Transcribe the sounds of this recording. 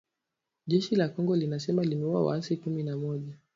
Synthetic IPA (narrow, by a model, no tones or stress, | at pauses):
ʄɛʃilakɔŋɡɔlinasɛmalimɛua̰wa̰asikuminamɔʄa